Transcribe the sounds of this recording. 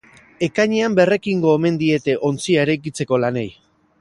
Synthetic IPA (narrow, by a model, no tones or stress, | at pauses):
e̞kaɲeambe̞re̞kiŋɡo̞eme̞nd̪ie̞t̪e̞ʔo̞nt͡siaeɾajk̬it͡se̞ko̞lane̞j